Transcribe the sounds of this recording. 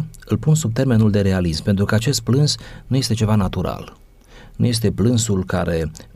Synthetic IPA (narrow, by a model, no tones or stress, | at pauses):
ɨlpunsub̚t̪e̞rme̞nuld̪e̞ɾe̞alismpe̞nt̪ɾukəat͡ʃe̞st̪̚plɨnsnuje̞st̪et͡ʃe̞vanat̪uɾa̰l | nṵje̞s̬t̪e̞plɨnsulkaɾʔe̞